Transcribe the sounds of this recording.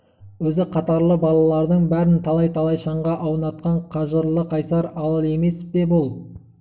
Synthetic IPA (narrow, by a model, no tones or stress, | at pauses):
wɵzɪqʰɑt̪ɑɾlˠəbɑlˠɑlˠɑɾd̪əɴbæɾɪnt̪ʰɑlˠɑjt̪ʰɑlˠɑjʃɑɴʁɑʔɑwənɑt̪̚qɑɴqʰɑʒəɾlˠəqʰɑjsɑɾɑlˠlˠe̞me̞sbe̞bʊlˠ